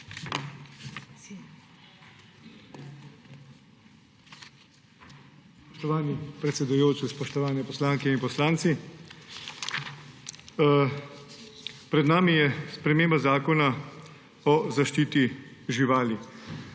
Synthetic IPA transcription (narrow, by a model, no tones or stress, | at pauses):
pɔ̥ʃt̪ɔʋaːnipɾɛt̪sɛd̪ujoːt͡ʃispɔʃt̪ɔʋaːnɛpɔslaːŋkɛinpɔslaːnt̪si | pɾɛd̪naːmijɛspɾɛmeːmbazaːkɔna | ɔzaʃt͡ʃiːt̪iʒiʋaːli